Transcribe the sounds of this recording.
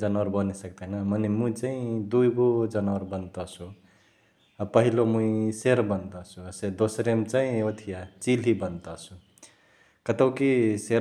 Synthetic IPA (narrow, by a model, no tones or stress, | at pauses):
d͡ʒʌnwəɾbʌnesʌk̚d̪anʌmʌnemũt͡saĩd̪ujɡod͡zʌnwʌɾbʌnt̪ɔt͡sʰu | pʌɦilomũĩseɾbʌnt̪ʌt͡sʰused̪osɾemt͡saĩot̪ʰijat͡silɦibʌnt̪ʌt͡sʰu | kʌt̪əwkiseɾ